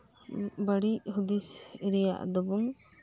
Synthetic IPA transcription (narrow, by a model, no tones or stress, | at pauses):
bəɽiʔhud̪isɾɛja̰ʔd̪ɔbun